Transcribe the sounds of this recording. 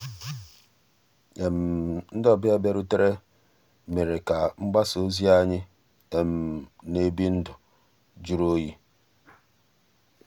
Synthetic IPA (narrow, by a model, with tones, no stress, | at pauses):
e˨m̩˨n̩˦dɔ˦bɪ˦e˦be˦ɾʊ˦te˦ɾe˦ | me˨ɾe˨ka˨ŋ͡m̩˦ɡ͡ba˦so˦zi˦a˦ɲɪ˦ | e˨m̩˨ne˦bi˦n̩˦dʊ˨ | d͡ʒu˦ɾo˦ji˦